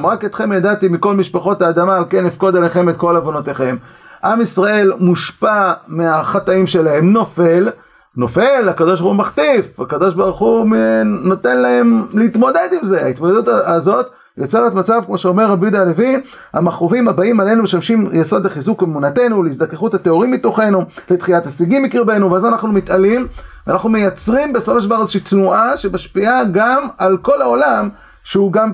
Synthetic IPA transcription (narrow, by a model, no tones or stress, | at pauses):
mʁaket̪χe̞mjad̪at̪imiko̞lmiʃpaχo̞taːd̪amaːlke̞nifko̞d̪aleχe̞met̪ko̞lavo̞no̞teχem | ʔamisʁae̞lmuʃpameaχat̪aimʃe̞lahe̞mnofe̞l | no̞fe̞lakad̪o̞ʃ̬baʁχumaχt̪ifakad̪o̞ʃbaʁuχu | no̞t̪e̞nlahe̞mlehit̪mo̞d̪e̞d̪imze̞a̰it̪mod̪ed̪ut̪azo̞t̪ | jot͡selotmat͡savkmo̞ʃeo̞meʁːabjud̪aalevi | a̰maχovimabaimale̞numeʃamʃimjeso̞d̪leχizukemunate̞nuleis̬d̪akeχuthateo̞ʁimbit̪o̞χe̞nulet̪χijathasiɡimːikiʁbe̞nuveazanaχnumit̪alimveanaχnumejat͡sʁimbesafoʃbaʁezeʃiːt̪nuʔaʃemaʃpiaɡamalko̞lao̞lam | ʃeuɡam